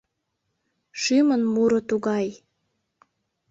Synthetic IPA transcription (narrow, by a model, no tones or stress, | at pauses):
ʃymənmuɾŏt̪uɣɑj